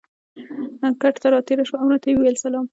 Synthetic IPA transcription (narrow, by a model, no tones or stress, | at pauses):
aŋkaʈt̪aɾɑt̪eɾaʃwaawnat̪ajiwelsalɑm